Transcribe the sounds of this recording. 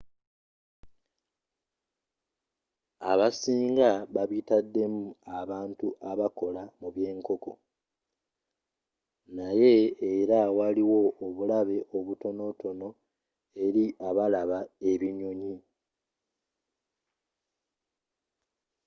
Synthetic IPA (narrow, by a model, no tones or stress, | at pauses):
a̰βasiːŋɡaβaβitadːe̞muaβaːntuʔaβako̞lamuβje̞ːŋko̞ko̞ | naje̞ːɾawaliwo̞ʔoβulaβe̞ʔoβuto̞no̞to̞no̞ | e̞ɾiʔaβalaβae̞βiɲo̞ɲi